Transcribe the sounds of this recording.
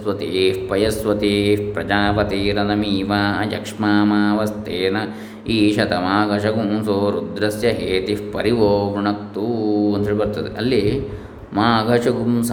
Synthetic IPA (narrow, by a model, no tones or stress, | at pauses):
sʋɐt̪iːfpɐjɐsʋɐt̪iːpɾɐd͡ʒaːpɐt̪iːɾɐnɐmiːʋaːɐjɐ̰kʂmaːmaːʋɐst̪eːnɐ | iːʃɐt̪ɐmaːɡʱɐʃɐkumsoːɾud̪ɾɐsjɐɦeːt̪ipɐɾiʋoːbɳɐk̚t̪ːuɐnt̪ʰeːɭipɐɾt̪ɐt̪iʔɐlːi | maːɡʱɐʂɐkums